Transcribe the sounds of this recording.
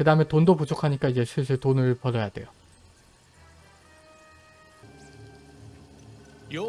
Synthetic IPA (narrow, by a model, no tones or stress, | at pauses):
kɯdaɯmetondopud͡ʑʰokʰaɲik͈aid͡ʑe̞sʰisʰɯɭtonɯɭpʌɾʌjadwe̞̰jo